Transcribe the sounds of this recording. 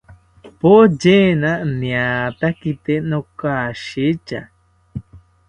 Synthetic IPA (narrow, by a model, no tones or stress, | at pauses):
pod͡ʒenanĩat̪akit̪enokaʃit͡ʃa̰